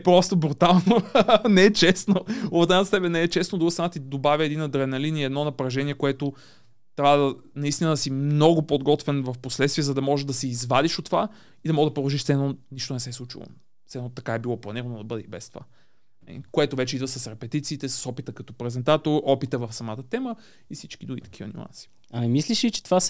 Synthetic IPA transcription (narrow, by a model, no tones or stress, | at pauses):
pɾɔst̪obɾut̪alˠnonɛɛt͡ʃɛsnoot̪at̪st̪ɛpɛnɛɛt͡ʃɛsnod̪ɾuɡəst̪ɾnat̪id̪obavʲjəɛd̪inɐd̪ɾɛnɐliniɛd̪nɔnɐpɾɐʒɛniɛkoɛt̪o | t̪ɾjavəd̪ɐnɐist̪inəd̪ɐsimnɔɡʊpod̪ɡɔt̪vɛnvɐfposlɛt̪st̪viɛzɐd̪ɐmɔʒɛʒd̪ɐsiːzvad̪iʃot̪ːva | id̪ɐmɔɡd̪ɐpɾod̪ˠoʒiʃt̪sɛɛnoniʃt̪onɛsɛslˠut͡ʃḭlˠo̰ | t̪sɛɛnot̪ɐkaɛbilˠɔplˠɐniɾɐnod̪ɐbɤd̪ɛbɛst̪ova̰ | nɐ̰lḭkoɛt̪ovɛt͡ʃɛid̪vɐsɐsɾɛpɛt̪it̪siːt̪ɛsɐ̥sɔpit̪əkɐt̪ɔ̥pɾɛzɛnt̪at̪oɾɔpit̪əvɐfsɐmat̪ət̪ɛmə | ifsit͡ʃkid̪ɾuɡit̪ɐ̥kʰivə̰nʲṵa̰nsi̥ | ɐmimisliʃlit͡ʃɛ̥t̪vas